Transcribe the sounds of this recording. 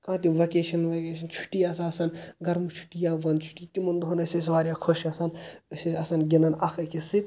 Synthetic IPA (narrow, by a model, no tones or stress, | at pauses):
kãːt̪̬iʋɐkeːʃɐnʋɐkeːʃ̬ɐnt͡ʃʰu̥ʈːijasaɐsɐnɡɐɾmut͡ʃʰu̥ʈːijaːʋɐnd̪t͡ʃʰu̥ʈit̪imɐnd̪ɦonɐses̬ʋaːɾʲjaːkʰoʃɐsɐnsesɐsɐnɡʲinɐnɐkʰɐkisit̪